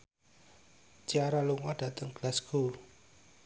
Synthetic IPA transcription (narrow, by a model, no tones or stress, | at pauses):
t͡ʃiaɾaluŋɔɖ̥ä̤t̪əŋɡ̥lasɡ̥ul